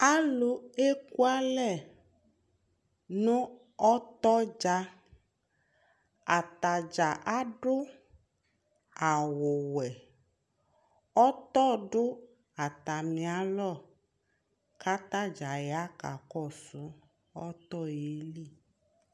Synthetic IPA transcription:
a˦lʊ˦e˦ku˦a˦lɛ˦˨ | nʊ̃˦ | ɔ˦t̪ɔ˦d͡ʒa˦ | a˨t̪a˨d͡ʒa˨ʔa˦ɖʊ˦ | a˨wʊ˨wɛ˨ | ɔ˦t̪ɔ˦˨ɖʊ˦ | a˨t̪a˨mĩ˨a˨lɔ˦˨ | ka˦t̪a˦d͡ʒa˨jɛ˨a˦ka˨kɔ˦˨sʊ˦ | ɔ˦t̪ɔ˦˨je˨˦li˦˨

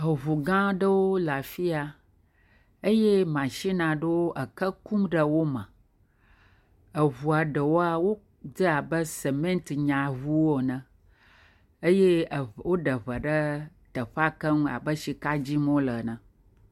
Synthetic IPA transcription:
ɦə˨βu˨ɡã˦ɖə˦wo˦la˨fi˦a˨ | ə˦je˦mã˨ʃi˦nã˨ɖə˦wo˦ʔə˨kə˦ku˦mɖə˦wo˦mə̃˨ | ə˨βu˨a˨ɖə˨wo˦a˦wo˦ | d͡ʒə˦a˨bə˦sə˨mẽ˦nt̪ɲã˨βu˦wo˨nə̃˨ | ə˦je˦˨wo˦ɖə˨βə˨ɖə˦ | t̪ə˨ɸa˦kə˦nũ˦a̰˨bə˦ʃi˨ka˦d͡ʑi˦mõ˦lə˨nə̃˨

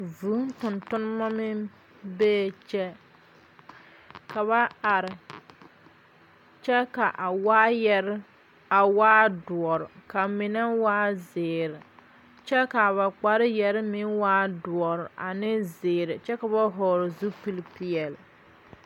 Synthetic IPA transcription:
vuː˨˦n˦tʊ˨ntʊ˦n˦ma˦mɪ˦ | beː˦˨t͡ʃɛ˦ | kʰa˨βa˦a˨ɾɪ˨ | t͡ʃɛ˦ka˨ʔa˨waː˦jɛ˦ɾɪ˦ | a˨waː˦dʊ˨ɔ˨ɾɪ˨ka˨mɪ˨nɛ˦waː˦zɪː˨ɾɪ˨ | t͡ʃɛ˦ka˨βa˨k͡pa˨ɾɪ˦jɛ˨ɾɪ˦mɪ˦nwaː˦dʊ˨ɔ˨ɾɪ˨ʔa˨nɪ˦zɪː˨ɾɪ˨t͡ʃɛ˦ka˨ba˦ɦɔː˨ɾɪ˨zu˦pi˦lpɪ˦ɛ˨l

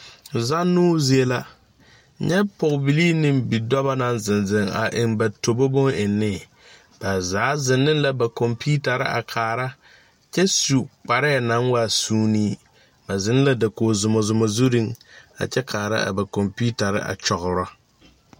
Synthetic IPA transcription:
za˦nːuː˦zi˦e˦la˦ | ɲɛ˦pɔ˨kbi˨liː˦nɪ˨mbi˨dɔ˦ba˦na˨nzɪ˨nzɪ˨ŋa̰˨ʔɪ˨ŋba˨to˨bo˦bʊ˦ŋɪ˨nːɪ˦˨ | b̥a˨zaː˨˦zɪ˨nːɪ˦n˦la˨ba˨kɔ˨mpu˦ta˨ɾɪ̰˦a̰˨kʰaː˨ɾa˦ | t͡ʃɛ˦su˨k͡pa˨ɾɪ˦a˨na˨˦ŋwa˦˨suː˦niː˦ | ba˨zɪ˨˦n˦la˦da˨ko˨zʊ˨mɔ˨zʊ˨mɔ˨zu˦ɾi˦ŋa̰˨t͡ʃɛ˦kʰaː˨ɾa̰˦a̰˨ba˨kɔ˨mpu˦ta˨ɾɪ̰˦ʔa̰˨t͡ʃɔ˨ɣʊ˨ɾɔ˦

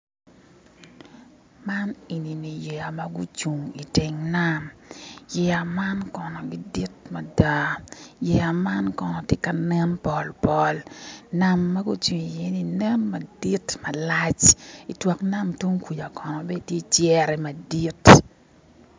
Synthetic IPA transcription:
ma˦ni˨ni˨ni˨jɛ˨a˨ma˦ɡu˦t͡ʃu˨ŋi˨ti˨ŋna˦mjɛ˨a˨ma˦nkɔ˨nɔ˨ɡi˦di˦tma˨da˦jɛ˨a˨ma˦nkɔ˨nɔ˨tjɪ˦ka˨nɛ˦mpɔ˨lpɔ˦lna˦mːa˦ɡu˦t͡ʃu˨ŋi˨jɛ˦ni˨nɛ˦mːɐ˨di˦tmɐ˨la˦t͡ʃi˨twɔ˨kna˦mtu˦ŋkʷu˨d͡ʒa˨kɔ˨nɔ˨bɛ˦˨tje˦t͡ʃjɛ˦ɾɛ˨ma˨di˦t

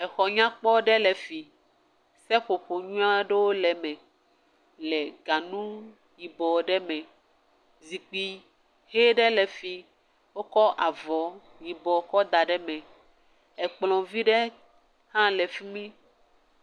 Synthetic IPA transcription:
ɛ˨xɔ˨ɲã˦k͡pɔ˦ɖɛ˦lɛ˨fi˨ | sɛ˦ɸo˨ɸo˨ɲũ˦ã˦ɖe˦wo˦lɛ˨mɛ̃˨ | lɛ˨ɡa˨nũ˦ | ji˨bɔ˨ɖɛ˦mɛ̃˨ | zi˨k͡pi˨ | he˦ɖɛ˦lɛ˨fi˨ | wo˦kɔ˦ʔa˨vɔ˨˦ | ji˨bɔ˨kɔ˦d̪a˨ɖɛ˦mɛ̃˨ | ɛ˨k͡plɔ̃˨vi˦ɖɛ˦ | hã˦lɛ˨fi˦mĩ˦

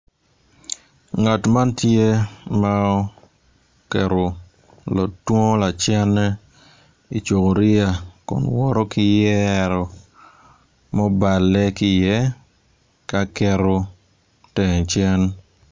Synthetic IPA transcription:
ŋa˨tma˦ntje˦maɔ˦ | kɛ˨ɾo˨ | lɔ˨twɔ˦la˨t͡ʃɛ˦nɛ˦ | i˨t͡ʃo˨ko˨ɾɪ˦a˨kɔ̰˨nwɔ˦ɾɔ˦kɪ˦jɛ˦ɾɔ˨ | mɔ˦ba˨lːɛ˦kɪ˦jɛ˦ | ka˦kɛ˦ɾo˦ | tɛ˨t͡ʃɛ˦n

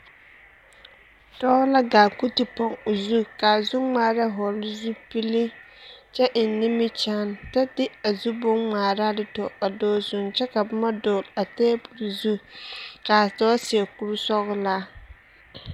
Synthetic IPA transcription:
d̥ɔ˦la˦ɡaː˨ku˦tɪ˨pɔ˨ŋo˨zu˦ka˨zu˦ŋ͡maː˦˨ɾa˦ɦɔ˨lzu˦pi˦li˦ | t͡ʃɛ˦ʔɪ˨nː˨ɪ˦mɪ˦t͡ʃa˦nta˦dɪ˦a˨zu˦bʊ˦ŋ͡maː˨ɾa˦dɪ˨tɔ˨a˨dɔː˦zʊ˨nt͡ʃɛ˦ka˨bʊ˦ma˦dɔː˨la˨teː˦bu˨lzu˦ka˨tɔː˦si˨ɛ˨ku˦ɾu˦sɔ˦ɣʊ˦la˦

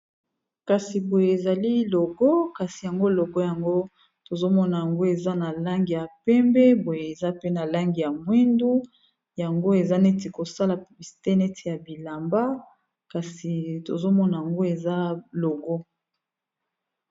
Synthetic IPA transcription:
ka˨si˨bo˨je˨e˨za˨li˦lo˨ɡɔ˦ka˨si˨ja˨ŋɡo˦lo˨ɡɔ˦ja˨ŋɡo˦ | to˨zo˦mɔ˦na˨ja˨ŋɡo˦e˨za˦na˨la˦ŋɡi˨ja˨pɛ˦mbɛ˦bo˨je˨e˨za˦pe˦na˨la˦ŋɡi˨ja˨mwi˦ndu˦ | ja˨ŋɡo˦e˨za˦ne˦ti˨ko˨sa˦la˨bi˨si˨te˦ne˦tʰi˨ja˨bi˨la˨mba˦ | ka˨si˨to˨zo˦mɔ˦na˨ja˨ŋɡo˦e˨za˦lo˨ɡɔ˦

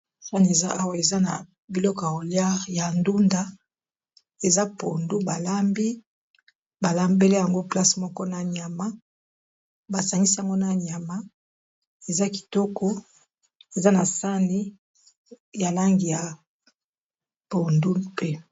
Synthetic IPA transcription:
sa˦n˨e˨za˦ʔa˦wa˨e˨za˦na̰˨ | bi˨lɔ˦ka˨o˨lja˦˨ja˨ndu˦nda˦ | e˨za˦po˨ndu˦ba˨la˦mbi˦ | ba˨la˦mbe˦le˦ja˨ŋɡo˦pla˦smɔ˦kɔ˦na˨ɲ˨a˨ma˦ | ba˨sa˨ŋi˦si˦ja˨ŋɡo˦na˨ɲ˨a˨ma˦ | e˨za˦ki̥˨tɔ˦kɔ˦ | e˨za˦na˨sa˦ni˦ | ja˨la˦ŋɡi˨ja˨ | po˨ndu˦pe˦

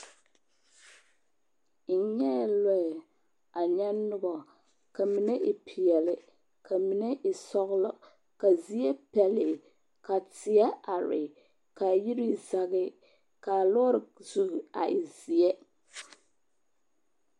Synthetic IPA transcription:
n̩˨ɲɛ˦˨lɔ˦ɪ˨ | a˨ɲɛ˦nʊ˦bɔ˨ | ka˨mi˨nɛ˦ʔɪ˨pʰi˨ɛ˨lɪ˨ | kʰa˨mi˨ne˦ʔɪ˨sɔ˦ɣʊ˦lɔ˦ | ka˨zi˦ɛ˦pɛ˨lɪ˨ | ka˨tɪ˨ɛ˦a˨ɾɪ̰˨ | ka˨ji˦ɾi˦za˨ɣɪ˦ | ka˨lɔ˦ɾɪ˨zu˦˨a̰˨ʔɪ˨zi˨ɛ˦

